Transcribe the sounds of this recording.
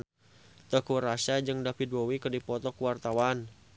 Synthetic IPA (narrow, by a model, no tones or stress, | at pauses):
t̪əkuɾasad͡ʒɨŋdapid̪̚wowikədipɔt̪ɔkuwart̪awan